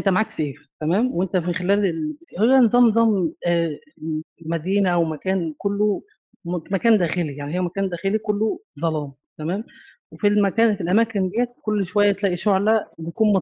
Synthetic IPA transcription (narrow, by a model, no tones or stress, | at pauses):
ʔent̪æmaʕaksʔeːft̪æmæːmwʔent̪æmenxelæːlelhejːænezˤɑːmnzˤɑmː | mæd̪iːnæʔæwmækæːnkolːo | mækæːnd̪æːxelijaʕnihejːæmækæːnd̪æːxelikolːozˤɑlɑːmt̪æmæːm | wefilmækæːnfilʔæmæːkenb̪eːæt̪kolːʃowæjːæt̪læːʔiʃoʕlæbekuːnmɑ